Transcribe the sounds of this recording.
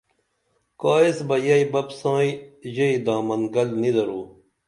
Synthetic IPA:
kaːesbɐjɐibɐbsãːiʑɐid̪aːmɐnɡɐlnid̪ɐɾuː

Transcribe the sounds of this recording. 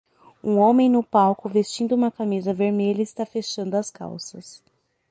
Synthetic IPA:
ũõmẽj̃nʊpawkʊvest͡ʃĩnd̪ʊũmɐkamizɐveɾmeʎɐɪst̪afeʃɐ̃nd̪ʊɐska̰wsɐs

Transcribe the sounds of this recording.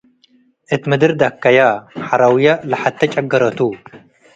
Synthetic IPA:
ʔɨt̪mɨd̪ɨɾd̪akʰːajaħaɾawjalɨħat̪t̪ʰːɐt͡ʃʼɐɡːɐɾɐt̪ʰu

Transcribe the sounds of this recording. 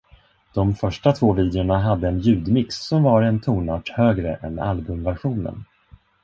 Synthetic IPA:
d̪̥ɔmfœʂʈat̪ʰvoːviːd̪ɪʊɳaɦad̪ːəɛnjʉ̟ːd̪mɪksːɔmvaɾɛnt̪ʰuːnaːʈhøːɡɾəʔɛ̰na̰lbɵmvæɾɧuːnə̰n

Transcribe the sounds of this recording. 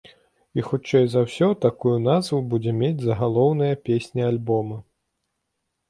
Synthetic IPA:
ixut͡ʂɛjzɐwsʲɔt̪akujunazvubud͡zʲɛmʲed͡zʲzɐɣalˠɔwnɐjɐpʲesʲnʲialʲbɔmɐ

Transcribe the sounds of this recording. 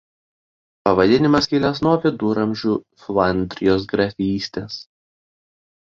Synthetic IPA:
pɐʋɐd̪ʲɪnʲɪmɐskʲiːlʲɛsnuɔpʲɪd̪uːɾɐmʲʒʲuː | flˠɐnʲd̪ʲɾʲɪjoːsɡɾɐfʲiːsʲt̪ʲeːs

